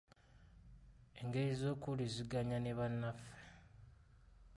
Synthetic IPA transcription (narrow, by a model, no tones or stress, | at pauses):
e̞ŋɡe̞ɾizo̞ːkuliziɡaɲaneβanːafe̥